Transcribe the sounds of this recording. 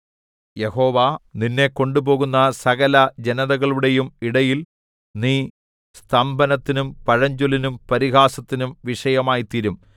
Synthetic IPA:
je̞ho̞ːʋaninːe̞ko̞ɳɖubo̞ːɣunːɐsɐɣɐlɐd͡ʑenɐðɐɣɐɭuɽe̞jumiɽɐjil | niː | st̪ʰɐmbɐnɐt̪ːinumpɐɻɐɲd͡ʑulinumpɐɾiɣaːsɐt̪ːinumʋiʂɐjɐmaːjit̪iɾum

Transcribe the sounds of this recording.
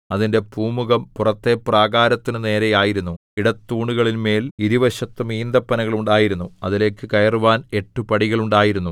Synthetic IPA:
ɐðinde̞puːmuɣɐmpurɐt̪ːe̞praːɣaːɾɐt̪ːinɨne̞ːɾejaːjiɾunːu | iɽɐt̪ːuːɳuɣɐɭinme̞ːliɾuʋɐɕɐt̪ːɨmiːnd̪ɐpːɐnɐɣɐɭuɳɖaːjiɾunːuɐðile̞ːkːɨkɐjɐruʋaːne̞ʈːupɐɽiɣɐɭuɳɖaːjiɾunːu

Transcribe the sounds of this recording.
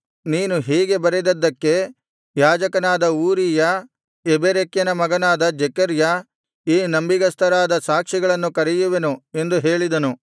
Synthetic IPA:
niːnuɦiːɡe̞bɐɾed̪ɐd̪ːɐkːe̞ | jaːd͡ʒɐkɐnaːd̪ɐuːɾijɐ | ebeɾekjɐnɐmɐɡɐnaːd̪ɐd͡ʒɛkɐɾjɐ | iːnɐmbiɡɐst̪ʰɐɾaːd̪ɐsaːkʂiɡɐɭɐnːukɐɾɛjuʋenue̞nd̪uɦeːɭid̪ɐnu

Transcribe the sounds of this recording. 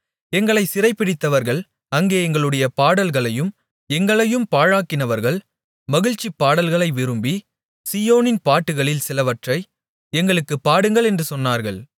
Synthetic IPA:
ɛŋɡɐɭɐɪsɪrɐɪpːɪɽɪt̪ːɐʋɐɾɣɐɭ | ɐŋɡeːɛŋɡɐɭɯɽɐjɐpaːɽɐlɣɐɭɐjɯm | ɛŋɡɐɭɐjɯmpaːɻaːkːɪnɐʋɐɾɣɐɭ | mɐɣɪɻt͡ʃːipːaːɽɐlɣɐɭɐɪʋɪɾɯmbi | sijoːnɪnpaːʈːɯɣɐɭɪlsɪlɐʋɐʈrɐɪ | ɛŋɡɐɭɯkːɯpːaːɽɯŋɡɐɭɛndrɯsɔnːaːɾɣɐɭ

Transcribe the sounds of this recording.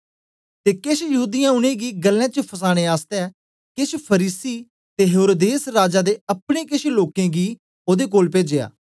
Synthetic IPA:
t̪ekeʃjɐɦuːd̪ɪjãʊñẽɡiɡəlːɛ̃ːt͡ʃəpʰəs̬aːɽ̃ẽaːst̪ɛ | kɪt͡ʃʰpʰəɾiːsi | t̪eɦeːɾoːd̪eːsɾaːd͡ʒad̪eɐpɽ̃ekeʃʰeloːkɛ̃ɡiː | oːd̪ekoːlpeːd͡ʒea̰ː

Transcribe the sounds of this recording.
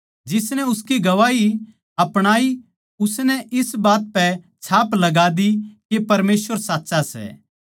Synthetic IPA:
d͡ʒɪsnɛʊskiɡɐʋaːi | ɐpɽ̃aːi | ʊsnɛʔɪsbaːt̪̚pɛ | t͡ʃʰaːplɐɡaːd̪ikepɐɾmeːsʋəɾsaːtːsasɛ̰ː

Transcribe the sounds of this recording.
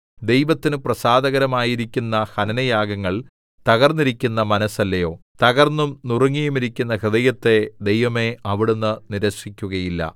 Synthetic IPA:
d̪e̞jʋɐt̪ːinɨprɐsaːd̪ɐɣɐɾɐmaːjiɾikʲːunːɐhɐnɐnɐjaːɡɐŋːɐɭ | t̪ɐɣɐrnːiɾikʲːunːɐmɐnɐsɐlːɐjo̞̰ːt̪ɐɣɐrnːumnuruŋːijumiɾikʲːunːɐhɨd̪ɐjɐt̪ːe̞d̪ejʋɐme̞ɐʋiɽunːɨniɾɐʂikʲːuɣɐjilːɐ̰

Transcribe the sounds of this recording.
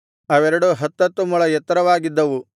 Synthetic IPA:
ɐʋɛɾɐɽuɦɐt̪ːɐt̪ːumuɭɐjɛt̪ːɐɾɐʋaːɡid̪ːɐʋu

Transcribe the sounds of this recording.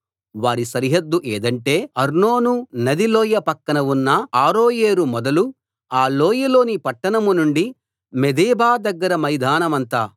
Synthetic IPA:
ʋaːɾisɐɾiɦɐd̪ːuʔeːd̪ɐɳʈe̞ːɐɾnoːnunɐd̪iloːjɐpɐkːɐnɐwunːɐaːɾoːjeːɾumɔd̪ɐlu | aːloːjɐlo̞ːnipɐʈːɐɳɐmunuɳɖi | med̪eːbaːd̪ɐɡːɐɾɐmɐjd̪ʱaːnɐmɐnt̪aː

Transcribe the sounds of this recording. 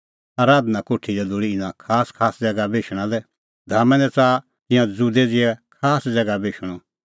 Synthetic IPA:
aːɾaːd̪nakoːʈʰidɛd̪oɽiɪnãkʰaːskʰaːsd͡zɛɡabeːʃɽ̃ãlɛ | d̪ʱaːmɛ̃nɛt͡saː | t̪ɪ̃jãd͡zud̪ɛd͡zɪɛkʰaːsd͡zɛɡabeːʃɽ̃ɔ

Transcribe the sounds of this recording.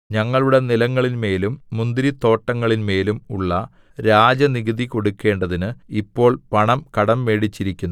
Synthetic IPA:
ɲɐŋːɐɭuɽe̞nilɐŋːɐɭinme̞ːlumːund̪ɾit̪o̞ːʈːɐŋːɐɭinme̞ːlumuɭːɐ | ɾaːd͡ʑɐniɣiðiko̞ɽukʲːe̞ːɳɖɐðinɨipːo̞ːɭpɐɳɐmkɐɽɐmːe̞ːɽit͡ɕːiɾikʲːunː

